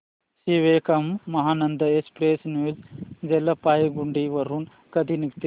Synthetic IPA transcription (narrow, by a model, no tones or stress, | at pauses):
siʋeːkɐmːɐɦaːnɐnd̪ɐespɾeːsnjuːzd͡ʒelːɐpaːjɐɡuɳɖiʋɐɾɦun | kɐd̪inikt̪